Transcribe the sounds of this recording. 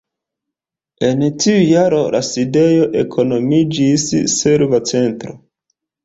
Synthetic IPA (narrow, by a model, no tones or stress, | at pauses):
e̞ntiujaɾo̞laside̞jo̞ʔe̞̰kʰo̞no̞mid͡ʒisːeɾvat͡se̞ntɾo̰